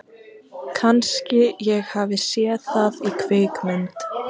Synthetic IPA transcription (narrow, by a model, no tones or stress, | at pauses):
kʰanscɪjɛɣhaːvɪsjɛθaðikʰveːjkmʏnt̪